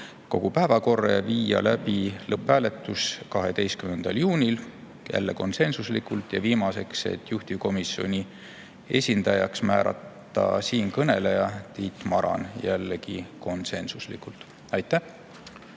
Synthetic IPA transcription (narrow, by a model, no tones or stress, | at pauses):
ko̞ɡ̥upæːvɑko̞rːeviːjɑ̰læbilɤpːæːle̞t̪ːˑuskɑɦe̞t̪e̞jst̪kymnend̪̥ɑljuːnʲil | jæ̰lːeko̞̰nse̞nsuslikult̪jɑviːmɑse̞kse̞̰t̪ːjuht̪iko̞misjo̞nʲi | e̞̰sʲind̪ɑjɑksmæːɾɑ̰t̪ːˑɑ̰siːnkɤne̞lejɑt̪iːt̪ˑmɑɾɑ̰njælːeɡiko̞nse̞nsuslikult̪ | ɑjt̪ːˑæh